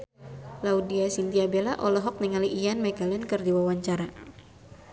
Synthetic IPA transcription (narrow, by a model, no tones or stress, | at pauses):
laudiasint̪iabelaʔɔlɔɦɔk̚nɛŋaliʔijanmɛkalɛnkɨrdiwawaɲt͡ʃaɾa